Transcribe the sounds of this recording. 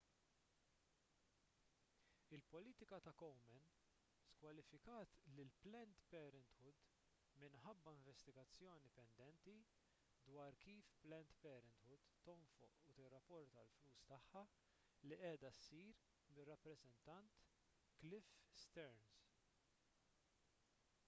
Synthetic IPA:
ɪlpɔliːt̪ɪkɐt̪ɐkɔwmɛn | skwɐlɪfɪkɐːt̪lɪlplɛnt̪pɛːɾɪnt̪ħʊd̪ | mɪnħɐbːɐɪ̃ɱvɛst̪ɪɡɐt͡sːjɔːnipɛnd̪ɛnt̪i | d̪wɐːɾkiːfplɛnt̪pɛːɾɪnt̪ʊt̪ːɔɱfʊʔut̪ɪrːɐpːɔɾt̪ɐlfluːst̪ɐħːɐ | liʔɛːd̪ɐsːiːɾ | mɪrːɐpːɾɛzɛnt̪ɐnt̪ | klɪfst̪ɛɾns

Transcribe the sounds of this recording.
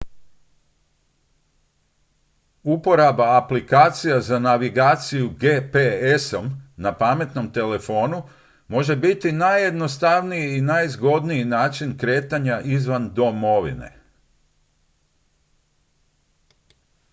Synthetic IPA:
upo̞ɾabaːplikaːt̪sijazanaʋiɡaːt̪sijuɡeːpeesomnapame̞t̪no̞mt̪e̞le̞fo̞ːnu | mo̞ʒe̞bit̪inajːe̞d̪no̞st̪aʋnijiːnajzɡo̞d̪nijinaːt͡ʃinkɾe̞ːt̪aɲaʔizʋand̪o̞mo̞ʋḭne̞̰

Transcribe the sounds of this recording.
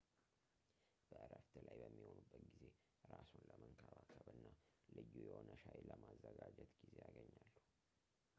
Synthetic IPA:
b̥əʔɨɾəft̪ʰɨlajbəmːiho̞nubːət̪ɡize̞ | ɾasunləməŋkʰaβakʰəβɨnːalɨjːujɛhonəʃajləmazːəɡad͡ʒɛt̪ɡizejaɡəɲːalːu

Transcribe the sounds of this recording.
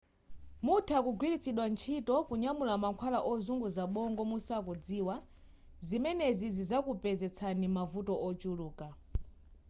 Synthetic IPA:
mutʰakuɡwilit͡sʰiɗwant͡ʃʰiːtɔkuɲamulamaŋkʰwalaʔɔzuŋɡuzaɓɔŋɡɔmusakɔd͡ziːwa | zimɛnɛzizizakupɛzɛt͡sʰanimavutɔʔɔt͡ʃuluːka

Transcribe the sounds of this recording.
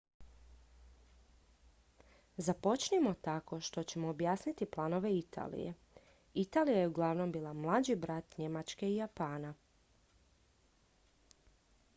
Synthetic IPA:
zapo̞t͡ʃnimo̞t̪ako̞ʃt̪o̞t͡ɕe̞mo̞ːbjaːsnit̪iplˠano̞ʋe̞it̪a̰ːlḭjḛ | it̪aːlijajeuɡlˠaʋno̞mbiːlˠamlˠad͡ʑibɾat̪ɲe̞mat͡ʃke̞ijapaːna

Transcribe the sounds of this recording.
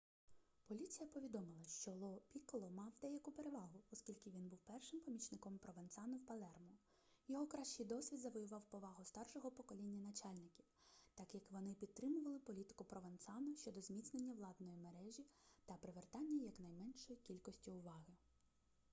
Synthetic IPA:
pɔlʲit͡sʲijɐpɔʋʲid̪ɔmɪlˠɐʃt͡ʃɔlˠɔpʲikɔlˠɔmɑwd̪ɛjɐkʊpeɾeʋɑɦʊɔskʲilʲkɪʋʲinbuwpɛrʃɪmpɔmʲit͡ʃnɪkɔmpɾɔʋent̪sɑnʊwpɐlˠɛrmɔ | jɔɦɔkɾɑʃt͡ʃɪjd̪ɔsʲʋʲid̪zɐʋɔjʊʋɑwpɔʋɑɦʊst̪ɑrʃɔɦɔpɔkɔlʲinʲːɐnɐt͡ʃɑlʲnɪkʲiwt̪ɑkjɐkʋɔnɪpʲid̪̚t̪ɾɪmʊʋɐlˠɪpɔlʲit̪ɪ̥kʊpɾɔʋɐnt̪sɑnʊʃʲt͡ʃɔd̪ɔzmʲit̪snenʲːɐʋlˠɑd̪nɔjimeɾɛʒʲit̪ɐpɾɪʋert̪ɑnʲːɐjɐknɐjmɛnʃɔjikʲilʲkɔsʲtʲiʊʋɑɦɪ

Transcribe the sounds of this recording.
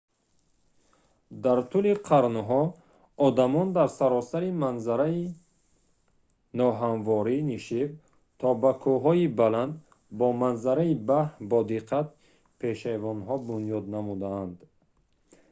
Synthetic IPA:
d̪aɾt̪ʰuliqʰaɾnɦɔ | ɔd̪amɔnd̪aɾsaɾɔsaɾimanzaɾai | nɔɦanvɔɾiniʃiv | t̪ʰɔbakʰuɦɔibaland̪ | bɔmanzaɾaibahbɔd̪iqʰat̪̚ | pʰeʃavɔnɦɔbunjɔd̪namud̪aːnd̪

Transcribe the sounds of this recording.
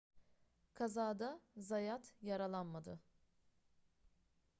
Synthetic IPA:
kʰazaːd̪azajat̪jaɾalˠanmad̪ɯ

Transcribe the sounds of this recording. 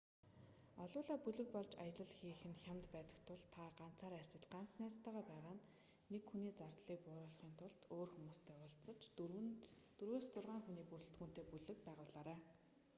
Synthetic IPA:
ɔɮʊːɮaːpuɮɘ̆k̚pɔɮt͡ɕajə̆ɮə̆ɮxiːxɘ̆nxʲjamt̪pæːt̪ə̆kt̪ʰʊɮt̪ʰaɢan̥t͡sʰaːɾæ̥sə̆t͡ɕɢan̥t͡snæːt͡st̪ːaːʁaːpæːʁaːnː | ekxuniːt͡sart̪ɮiːk̚pʊːɾʊːɮχiːnt̪ʰʊɮt̪ʰoːrxumuːst̪ʰeːʊɮt͡sə̆t͡ɕ | t̪uɾweːst͡sʊrʁaːŋxuniːpuɾɵ̆ɬt̪ɡuːn̥t̪eːpuɮɘ̆k̚pæːʁʊːɮaːɾaː

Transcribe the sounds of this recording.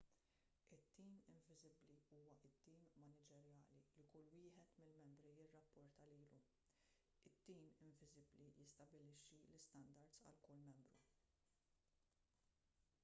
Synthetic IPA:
ʔɪt̪ːiːmɪɱvɪzɪbliuːwɐʔɪt̪ːiːmmɐnɪd͡ʒɛɾjɐːlilikʊlːwɪːħɛt̪mɪlmɛmbɾijɪrːɐpːɔɾt̪ɐliːlu | ɪt̪ːiːmɪɱvɪzɪblijɪst̪ɐbɪlɪʃːilɪst̪ɐnd̪ɐɾd̪sɐ̰lkʊlːmɛmbɾṵ

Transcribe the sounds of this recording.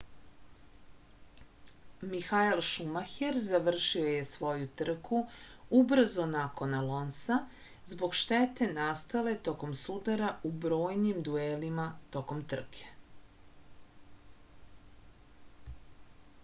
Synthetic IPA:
mixailʃumaxeɾzaʋr̩ʃio̞je̞sʋo̞jut̪r̩kʰuubr̩zo̞nako̞nalo̞nsa | zbo̞ɡʃt̪et̪e̞nast̪ale̞t̪o̞ko̞msud̪aɾaubɾo̞ːjnimd̪uelimat̪o̞ko̞mt̪r̩kʰe̥

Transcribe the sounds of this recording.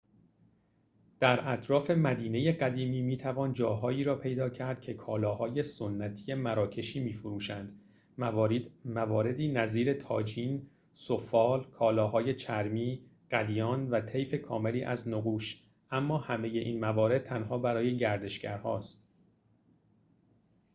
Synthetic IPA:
d̪̥æɾæt̪ʰɾɒːfe̞mæd̪iːne̞je̞ɢæd̪iːmiːmiːt̪ʰævɒːnd͡ʒɒːɦɒːiːɾɒːpʰe̞jd̪ɒːcʰæɾd̪̥̚cʰe̞kʰɒːlɒːhɒːje̞sonːæt̪ʰije̞mæɾɒːcʰe̞ʃiːmiːfoɾuːʃænd̪̥ | mævɒːɾe̞d̪iːnæziːɾe̞t̪ʰɒ̰ːd͡ʒiːn | sofɒːlkʰɒːlɒːɦɒːje̞t͡ʃʰæɾmiːɢ̥æd̪ijɒːnvæt̪ʰe̞jfe̞kʰɒːme̞liːʔæ̰znoɣuːʃ | ʔæmːɒːhæme̞je̞ʔiːnmævɒːɾe̞d̪̚t̪ʰænɦɒːbæɾɒːje̞ɟæɾd̪e̞ʃɡæɾhɒːst̪̚

